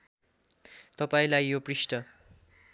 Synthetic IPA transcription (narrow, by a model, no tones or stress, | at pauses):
t̪ʌpaĩlajːoprisʈʌ